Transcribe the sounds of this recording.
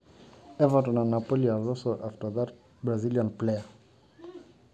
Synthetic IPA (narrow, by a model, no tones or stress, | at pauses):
evatonanapolialosoʔaftoðat | bɾazilianplea